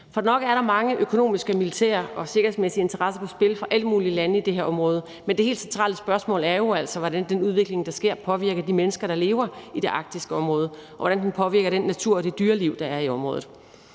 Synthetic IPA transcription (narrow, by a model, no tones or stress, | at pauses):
fɒ̽dnɒ̽ɡ̥əæɐɾɑ̈mɑ̈ŋəʔøkʰo̝no̝̰ːmisɡ̥əmilit͡sʰḛːɐɒ̽se̝ɡ̥ɐhesmesiəe̝nt͡sʰɐʁɑ̈sɐkʰosb̥e̝ləfʁɑ̈ʔæləmuːliəlænəid̥e̝ɦeɐɒ̽mʁɔ̽ːðˠə | mendehe̝̰ːld̥sent͡sʰʁɑ̰ːləsb̥ɶɐsmɔ̰̽ːlæɐjo̝æl̰sɒ̽ʋɒdænd̥enuð̞ˠʋe̝ɡ̥le̝ŋd̥ɑ̈sɡ̥e̝ɐ̰pʰɒ̽ʋiɐ̰ɡ̥ɐd̥imenəsɡ̥ɐɾ̥ɑ̈le̝ːʊɐid̥e̝ʔɑ̈ɡ̥̚d̥isɡ̥əɒ̽mʁɔːð̞ˠɒʋɒɾ̥ænd̥enpʰɒ̽ʋiɐɡ̥ɐd̥enːæt͡sʰuɐ̰ɒ̽d̥e̝d̥yːɐliʊ̰d̥ɑ̈æɐiɒ̽mʁɔ̽ːð̩ˠ